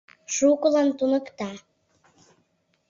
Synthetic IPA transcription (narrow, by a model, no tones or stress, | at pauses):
ʃukəlɑnt̪unəkt̪ɑ